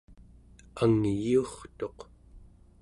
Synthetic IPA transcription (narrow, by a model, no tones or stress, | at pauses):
aŋjiuχt̪o̞q